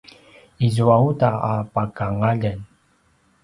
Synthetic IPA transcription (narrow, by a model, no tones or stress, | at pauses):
izuautaapakaŋaʎən